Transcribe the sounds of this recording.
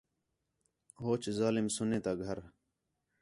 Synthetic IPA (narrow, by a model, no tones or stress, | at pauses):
ɦoːt͡ɕzaːlɪmsʊneːt̪aːɡʱəɾ